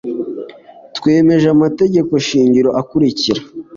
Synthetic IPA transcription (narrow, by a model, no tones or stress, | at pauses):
twe̞ːme̞ʒamate̞ɟe̞ko̞ʃiːɲɟiɾo̞ʔakuɾiciɾa